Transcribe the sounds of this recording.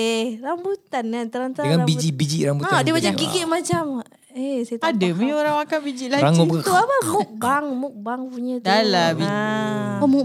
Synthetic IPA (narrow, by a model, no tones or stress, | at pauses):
ehɾambut̪anat̪əɾant̪aaŋanabid͡ʒiʔbid͡ʒiʔɾambutaddiəmat͡ʃaɡiɡɪʔmat͡ʃam | esajt̪adəmioɾaŋmakabid͡ʒiʔlaɾaŋɔkt̪uapamuk̚baŋmuk̚baŋpuɲatalabi | mu